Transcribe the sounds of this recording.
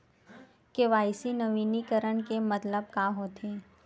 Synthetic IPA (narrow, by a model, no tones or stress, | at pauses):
keʋaːɪsinɐʋiːnikəɾəɳkemɐt̪ləb̚kaɦoːt̪eː